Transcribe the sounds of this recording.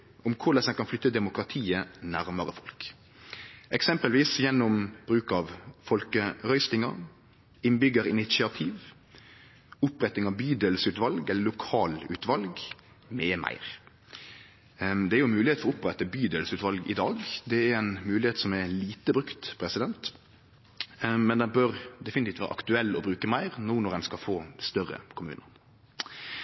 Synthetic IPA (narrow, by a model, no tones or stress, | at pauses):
ʊmkʰʊʁləsɛkɑnflʏt̪ːəd̪ɛmʊkɾɑt̪ʰiːənæʁməɾəfɔlk | ʔɛksɛmpəlʋiːsjɛnːɔmb̥ɾʉːkɑʋfɔlkəʁœʏst̪ɪŋɑɾ | ɪnbʏɡːəɾʁɪnɪt̪sɪɑt̪ʰiːʋ | ʊpɾɛt̪ɪŋɑʋbyːd̪əlsʉːt̪ʋɑlɡɛləlʊkʰɑːlʉ̰ːt̪ʋɑlɡ | meːmæ̰ɪʁ | d̪ɛæɾjʊmʉːlɪheːt̪fɔʊpʁɛt̪əbyːd̪ɛlsʉːt̪ʋɑlɡɪd̪ɑːɡd̪ɛæɾæɪnmʉːlɪheːt̪sɔmɛliːt̪əbɾʉkt̪pʰɾɛsɪd̪ɛnt̪ | mɛnd̪ɛnbøʁd̪ɛfɪnt̪iːt̪ʋæːɾəʔɑ̰kt̪ʉɛlːɔbɾʉːkəmæɪʁnuːnɔʁɛnskɑlfoːst̪œrə̰kʰʊmʉ̰ːnə